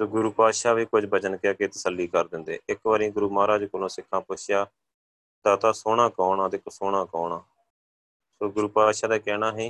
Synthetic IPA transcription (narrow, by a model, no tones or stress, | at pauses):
soːɡʊɾuːpaːʃaːʋiːkʊd͡ʒbət͡ʃənkeakeːt̪əsəlːiːkəɾd̪ɪnd̪ḛːʔɪkʋaːɾĩːɡʊɾuːmaːɾaːd͡ʒkolõːsɪkʰːãːpʊʃɪjaː | d̪aːt̪aːsoːɽ̃ãːkɔːɳãːd̪eːkoːsoːɽãːkɔːɳaː | soːɡʊɾuːpaːʃaːd̪aːkɛːɽaːɦiː